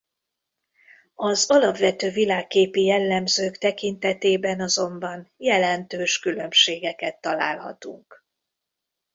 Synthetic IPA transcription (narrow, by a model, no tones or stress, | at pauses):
ɒzɒlɒpvɛt̪øːvilaːkːeːpijɛlːɛmzøːkt̪ɛkint̪ɛt̪eːbɛnɒzo̞mbɒnjɛlɛnt̪øːʃkylø̞mʃeːɡɛkɛt̪ːɒla̰ːlhɒ̰t̪uŋk